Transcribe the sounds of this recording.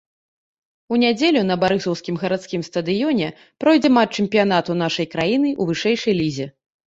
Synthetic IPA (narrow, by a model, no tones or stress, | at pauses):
unʲad͡zʲelʲunɐbaɾɨsɔwskʲimɣɐɾat̪skʲimst̪ɐd̪ɨjɔnʲɛ | pɾɔjd͡zʲɛmat͡ʂɛmpʲijan̪at̪un̪aʂɐjkɾajinɨʔuvɨʂɛjʂɐjlʲizʲɛ